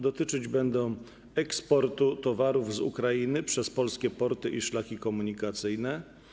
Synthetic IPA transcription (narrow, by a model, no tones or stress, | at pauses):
d̪ɔt̪ɘt͡ʂɘd͡ʑbɛnd̪ɔ̃w̃ | ɛkspɔɾt̪ut̪ɔvaɾuvzṵkɾajinɘpʂɛspɔlskʲɛpɔɾt̪ɘʔiʂlakʲikɔmuɲikat̪sɘjnɛ